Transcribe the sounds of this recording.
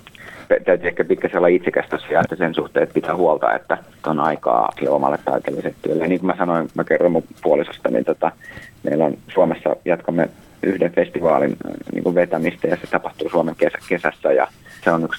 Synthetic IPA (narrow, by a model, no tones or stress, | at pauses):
tæt̪æyt̪yːehkæpit̪̚kæsiolːɑit̪sekæst̪øsːæjɑet̪ːæsensuht̪eːt̪̚pit̪æːhuolt̪ɑ̰ḛt̪ːæseonɑikɑ̰ːsilːḛomɑ̰lːet̪t̪ɑ̰it̪elːiselt̪t̪ːyølːeniŋkumæsɑnoinmækerːɑmːupuolisɑst̪ɑnḭnt̪ot̪ɑmḛilːonsuomesːɑ̰jɑt̪kɑmːḛ | yhdeɱfest̪iʋɑ̰ːlḭnnʔḭːŋkuʋʋet̪æmist̪æjɑset̪ɑpɑht̪uːsuɑmeŋkesækesæsːæjɑ̰seonyks